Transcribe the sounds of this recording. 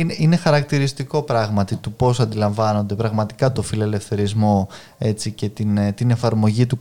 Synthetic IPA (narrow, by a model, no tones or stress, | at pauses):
neine̞xɐɾɐk̚t̪iɾist̪iko̞pɾɐɣmɐt̪it̪upo̞sɐnd̪ilɐɱvɐno̞nd̪e̞pɾɐɣmɐt̪i̥kɐt̪o̞filele̞fθe̞ɾizmo̞ | e̞t͡sice̞t̪int̪ine̞fɐɾmo̞ʝit̪uk